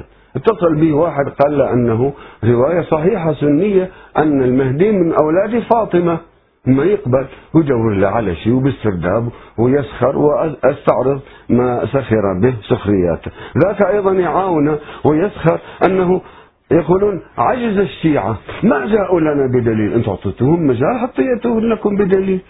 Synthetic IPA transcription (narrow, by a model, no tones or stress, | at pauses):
ʔɪt̪ːɑsˤɨlbiːwaːħɪd̪qɑːlːaʔanːaɦuɾɪwaːjasˤɑħiːħasʊnːɪjːaʔanːalmahd̪iːmɪnʔawlaːd̪ifɑːt̪ˤɨma | majɪqbalwjd̪awːɪɾlaʕala̰ʃiːwbɪst̪ɪɾd̪aːbwɪjɪsxɑɾˤwɪʔʔast̪aʕɾɨðˤmasaxɪɾˤabɪhsʊxɾɪjːa̰ːt̪aðaːkaʔɑjðˤɑnjʕaːwɪnawɪjɪsxɑɾˤʔanːaɦʊ | jaquːluːnʕad͡ʒzaʃːiːʕamad͡ʒaːʔulanabɪd̪aliːlʔɪnt̪ʊ̰ʕt̪ˤiːt̪uːhʊmːad͡ʒaːlħɑt̪ˤːɨjːat̪ulakʊmbɪd̪aliːl